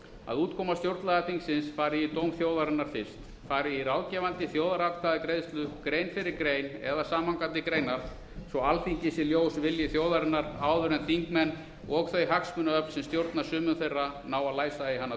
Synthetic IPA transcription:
a̰ðuːt̪kʰɔmast̪jowɾt̪laɣaθiŋksɪnsfaːɾɪit̪owmθjoːwðaɾɛnːaɾ̥fɪr̥st̪ | faːɾɪiraːwcɛvant̪ɪθjoːwðaɾat̪kʰaðɪkɾejðst̪lʏkɾeːjnfɪɾɪɾkɾeːjnɛðasaːmhaŋkant̪ɪkɾeːjnaɾ̥ | sɔalθiɲcɪsɪljoːwsvɪljɪθjoːwðaɾɪnːaɾaːwðʏɾɛnt̪θiŋkmɛnː | ɔɣθœɥjɦaksmʏnaœpl̥sɛmst̪jowɾt̪naɾ̥sʏːmʏnθejrːanaːwaðlaːjsaiɦanːa

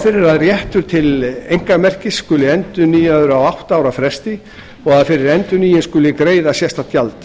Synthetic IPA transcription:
fɪɾɪɾaðrjɛht̪ʏɾ̥t̪ʰɪlejŋ̥kaɾmɛr̥cɪsːkʏːlɪɛnt̪ʏniːjœðɾawawht̪aaːwɾafɾɛst̪ɪ | ɔɣaðfɪɾɪɾɛnt̪ʏniːjɪnskʏːlɪkɾeːjðasjɛst̪at̪ʰjalt̪

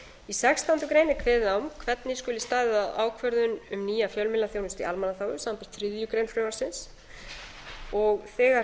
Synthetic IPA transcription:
isɛkst̪awnt̪ʏkɾeːjnɪkʰvɛːðawmkʰvɛt̪nɪskʏːlːɪst̪aːðɪðaða̰ːwkʰvœɾðʏnʏmniːjafjœlmɪlːaθjownɪst̪ḭʔa̰lmanaθaːwɣʏsaːmapɪɾ̥t̪θɾɪðjʏkɾejnflɾoːwvaɾsɪns | ɔɣθɛːɣa

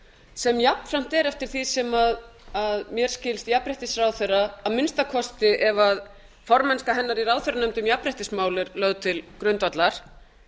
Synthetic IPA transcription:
sɛmjapn̥fɾam̥t̪ɛɾɛft̪ɪɾ̥θisɛmaðaðmjɛɾ̥scɪlst̪japɾɪht̪ɪsrawθejrːaːðmɪnst̪akʰɔst̪ɪʔɛvað | fɔɾmɛnskaɦɛnːaɾiɾawðθʏɾanœmt̪ʏmjapɾɪht̪ɪsmaːwlɪɾlœːɣt̪ʰɪlkɾʏnt̪vat̪laɾ̥

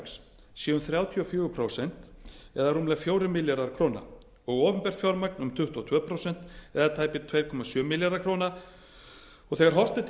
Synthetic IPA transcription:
ks | sjiːʏnθɾjawt̪ʰiɔfjʏːɣʏpʰɾowsɛn̥t̪ɛðarumlɛɣfjoːwɾɪmɪljaɾaɾkʰɾoːna̰ | ɔɣɔːpʏmpɛr̥t̪fjɔwɾmaknʏmt̪ʰʏht̪ɔt̪ʰœːpʰɾowsɛn̥t̪ɛðat̪ʰaːjpɪt̪ʰvejɾkʰɔmasjœːmɪljaɾaɾkʰɾoːwna | ɔɣθɛɣaɾ̥ɦɔr̥t̪ɪt̪ʰ

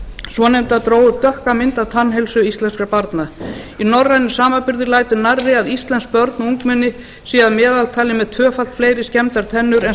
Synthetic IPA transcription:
svɔnejmt̪aðt̪ɾoːwʏɾt̪œhkamɪnt̪awt̪ʰanːɦɛjlsʏist̪lɛnskɾaɾpaɾt̪naðinɔrːajnʏsaːmapɪɾðɪɾlaːjt̪ʏnaɾːɪaðist̪lɛnsk̚pœɾt̪nuŋkmɛnːɪ | siːaðmɛːðalt̪ʰaːlɪmɛðt̪ʰvœːfalt̪fleːjɾɪscɛmt̪aɾ̥t̪ʰɛnːʏɾɛn

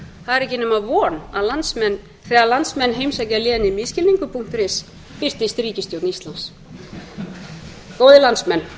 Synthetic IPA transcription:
θaðɪɾɛhc̬ɪnɛmavɔːna̰ðlansmɛnː | θɛːalant̪smɛnːɦejmsajcaljɛːðɪnːɪmɪscɪliŋkʏpʰuŋ̥t̪ɾɪs | pɪr̥t̪ɪst̪ɾiːcɪst̪jowt̪nist̪lans | koːwðɪlansmɛnː

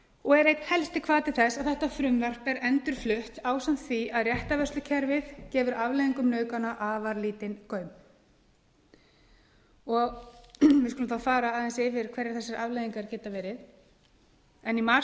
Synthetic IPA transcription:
ɔɣɛɾejt̪hɛlst̪ɪkʰvaːt̪ɪ̥θɛsːaðθɛht̪afɾʏmvɛr̥pɛɾɛnt̪ʏɾ̥flʏht̪aːwsam̥t̪θiaðrjɛht̪avɛrst̪lʏcʰɛɾvɪðcɛːvʏɾavlejðiŋkʏmnœːɥkanaʔaːvaɾliːt̪ɪnkœɥm | ɔɣvɪðskʏlʏmθafaːɾaaːðɛnsfɪɾkʰvɛɾɪɾ̥θɛsaɾʔavlejðiŋkaɾ̥cɛːt̪avɛːɾɪð | ɛnima

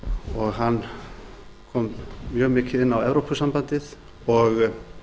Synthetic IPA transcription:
ɔɣɦanː | kʰɔːmːjœːɣmɪːcɪðɪnːawɛvɾowpʰʏsampant̪ɪð | ɔɣ

